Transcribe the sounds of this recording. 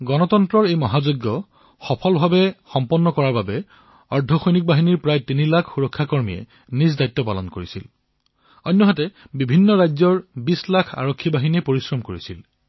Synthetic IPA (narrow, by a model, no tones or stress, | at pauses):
ɡɔnɔtɔntɹɔɹejmɔɦazoɡːɔ | xɔpʰɔlbʱabɛxɔmpɔnːɔkɔɹaɹbabɛ | ɔɹdʱɔxojnik̚baɦiniɹpɹajtinilakʰxuɹɔkʰːakɔɹmijɛ̰ | nis̬dajtːɔpalɔnkoɹisil | ɔnːɔɦatɛbibʱinːɔɹajzɔɹbislakʰa̰ɹokʰːibaɦinɛpoɹisɹɔmkoɹisil